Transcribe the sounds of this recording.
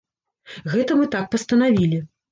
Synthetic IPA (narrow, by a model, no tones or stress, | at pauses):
ɣɛt̪ɐmɨt̪ak̚pɐst̪ɐnavʲilʲi